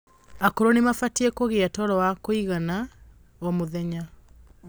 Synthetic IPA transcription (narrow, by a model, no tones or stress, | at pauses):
akoɾonemafatiekoɣeatɔɾɔwakoiɣana | ɔmoðɛɲa